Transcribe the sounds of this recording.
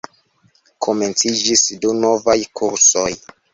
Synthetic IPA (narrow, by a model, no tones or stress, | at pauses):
kʰome̞nt͡sid͡ʒisduno̞vajkʰuɾsoj